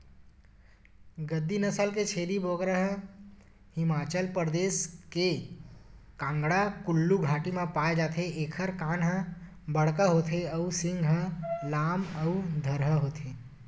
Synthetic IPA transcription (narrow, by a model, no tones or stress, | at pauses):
ɡəd̪ːinəsəlket͡ʃʰeːɾibʱoːɡɾəɦ | hɪmaːt͡ʃəlpɾəd̪eːske | kãːŋɡɽakʊlːuɡʱaːʈimẽpaːed͡ʒaːt̪ʰeeːkʰəɾkaːnɦə̃ | bəɽkəɦoːt̪ʰeəusɪ̃ŋɡɦəlaːməud̪ʱəɾɦəɦoːt̪ʰeː